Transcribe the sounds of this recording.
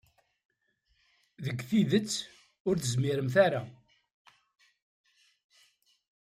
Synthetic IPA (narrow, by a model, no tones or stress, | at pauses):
ðəɡːθiðət͡sː | ʊɾθəzmiɾəmθaɾa